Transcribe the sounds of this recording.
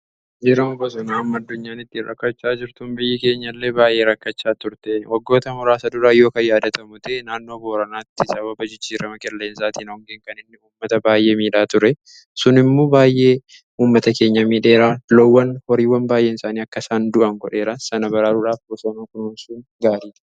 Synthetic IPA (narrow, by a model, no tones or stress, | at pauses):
d͡ʒɪɾɐmʊbɐsɔnaːɐmːɐd̪ːʊɲːaːnɪt̪ːiɾɐ̰kːɐt͡ʃːaːd͡ʒɪɾt̪ʊmbɪjːɐke̞ːɲːɐlːe̞ːbaːjʔe̞ːɾɐkːɐt͡ʃːaːt̪ʊɾt̪ɛwɐɡːo̞ːt̪ɐmʊɾaːsɐd̪ʊɾaːjo̞ːkɐjaːd̪ɐt̪ɐmʊt̪ɛnaːnːo̞ːboːɾɐnaːt̪ːɪsɐβɐbɐd͡ʒɪt͡ʃːiːɾɐmɐkɛlːe̞ːnsaːt̪iːnɔŋɡeːŋkɐnɪnːɪuːmːɐt̪ɐbaːjʔeːmiːᶑaːt̪ʊɾɛ | sʊnɪmːoːbaːjʔe̞ː | uːmːɐt̪ɐke̞ːɲːɐmiːᶑe̞ːɾalɔwːɐnhɔɾiːwɐnbaːjʔe̞ːnsaːniːɐkːɐsaːnd̪ʊʔɐŋɡɔᶑe̞ːɾɐsɐnɐbɐɾaːɾʊɾaːfbɔsɐnɐkʊnuːnsʊnɡaːɾiːt̪